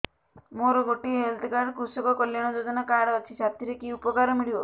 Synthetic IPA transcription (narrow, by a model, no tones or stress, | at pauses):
moɾɔɡoʈiɦelt̪ɡaɽkusɔkɔkɔljaɽ̃ɔd͡ʒod͡ʒɔnakaɽːt͡ʃʰisat̪ʰiɾekiupɔkaɾɔmiɭiɔ